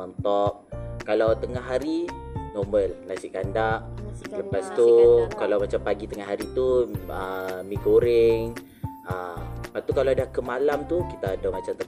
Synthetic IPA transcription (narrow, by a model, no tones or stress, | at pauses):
ɔnt̪ɔp̚kalawt̪əŋaɦaɾinoməlnasiʔkandaʔləpast̪ukalawmat͡ʃampaɡit̪əŋahɦaɾit̪uəmĩkoɾɪŋ | əpaʔt̪ukalawadahkəmalamt̪ukit̪aːdamat͡ʃamt̪ə